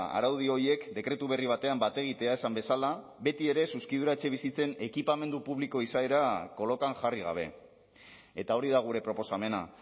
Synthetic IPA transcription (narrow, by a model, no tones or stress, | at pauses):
a̰ɾawðio̞je̞kd̪e̞kɾe̞t̪uβ̞e̞riβ̞at̪e̞ambat̪e̞ɣ̞it̪e̞ae̞sambe̞sala | be̞t̪ie̞ɾe̞suskiðuɾaet͡ʃe̞β̞isit͡se̞ne̞kipame̞nd̪upuβliko̞isaeɾako̞lo̞kanʝariɣ̞a̰β̞e̞ | e̞t̪ao̞ɾiðaɣ̞uɾe̞pɾo̞po̞same̞na̰